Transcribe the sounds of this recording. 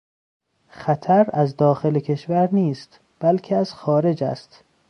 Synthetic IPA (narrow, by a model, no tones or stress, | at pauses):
xæt̪ʰæɾæzd̪ɒːxelekʰeʃvæɾniːst̪ | b̥ælcʰeæz̥xɒːɾe̞d͡ʒæ̰st̪